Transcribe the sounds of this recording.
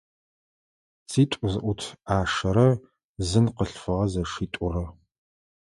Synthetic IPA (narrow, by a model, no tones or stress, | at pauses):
t͡sʰiːtʷʼʊzɨʔʷʊtʰaːʂɐɾɐ | zɨnqəɬfɨʁɐzɐʂiːtʷʼʊrɐ